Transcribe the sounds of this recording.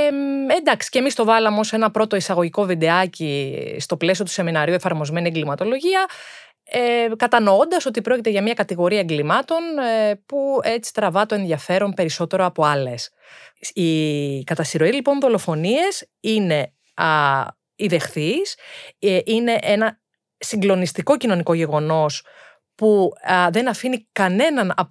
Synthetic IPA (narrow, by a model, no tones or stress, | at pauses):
end̪ɐksi̥cemist̪o̞vɐlɐmo̞se̞nɐpɾo̞t̪oisɐɣo̞ʝiko̞vid̪e̞ɐcist̪o̞ple̞sio̞t̪u̥se̞minɐɾiuefɐɾmo̞zme̞nieŋɡlimɐt̪o̞lo̞ʝiɐ | ekɐt̪ɐnoo̞nd̪ɐso̞t̪ipɾo̞cit̪e̞ʝɐmɲɐkɐt̪iɣo̞ɾiɐeŋɡlimɐt̪o̞npue̞t͡si̥t̪ɾɐvɐt̪o̞e̞nðiɐfe̞ɾo̞mpe̞ɾiso̞t̪e̞ɾoɐpo̞ɐle̞s | ikɐt̪ɐsiɾo̞ilipo̞nðo̞lo̞fo̞nie̞s | ine̞ | iðe̞xθiseʔine̞ʔenɐ | siŋɡlo̞nist̪iko̞cino̞niko̞ʝe̞ɣo̞no̞s | puðe̞nɐfinikɐne̞nɐnɐ